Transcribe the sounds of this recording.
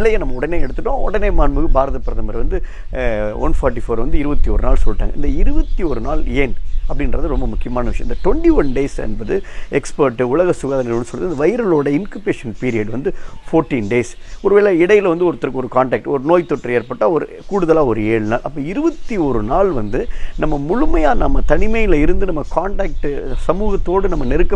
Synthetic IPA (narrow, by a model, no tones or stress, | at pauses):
ɪlːɐjɐnɐmːɐɔɽɐneːɛɽɯt̪ːɯʈːõɔɽɐneːmaːnmɯɣɯbaːɾɐðɐpɪɾɐðɐmɐɾʋɐnd̪ɯ | ɔ̰nfaːɾʈːifoːɾʋɐnd̪ɯɪɾɯʋɐt̪ːioːɾɯnaːlsɔlːɪʈːa̰ːŋɡɐɪ̰nd̪ɐɪɾɯʋɐt̪ːioːɾɯnaːleːnɐpːɐɽɪnɾɐðɯɾɔmbɐmʊkːɪjɐmaːnɐʋɪʂɐjɐ̃ɪnd̪ɐʈʋɔɳʈiʋɐnɖeːsɛ̰nbɐðɯɛkspɐɾʈːɯʊɭɐɣɐsʊɣaːðɐnɐɾʋnːɯsɔlːɐðɯɪnd̪ɐʋɐɪɾɐloːɽɐɪnkɯpeːʂɐnpiːɾɪjɐɽʋɐnd̪ɯfoːɾʈːiːnɖeːs | ɔɾɯʋeːɭɐɪɽɐjɪlʋɐnd̪ɯɔɾɯt̪ːɐɾɐkːɯɔɾɯkaːɳʈaːk̚ʈɔɾɯnoːjt̪ːɔʈːrɯeːɾpɐʈːaːɔɾɯ̰ | kuːɽɯðɐlaːɔɾɯeːɻɯnaːlʔɐpːɐɪɾɯʋɐt̪ːioːɾɯnaːlʋɐnd̪ɯnɐmːɐmʊɻʊmɐjaːnɐmːɐt̪ɐnɪmɐjɪlɪɾɯnd̪ɯnɐmːɐkaːɳʈaːk̚ʈɯsɐmuːɣɐt̪ːoːɽɯnɐmːɐnɛɾɯkːɐ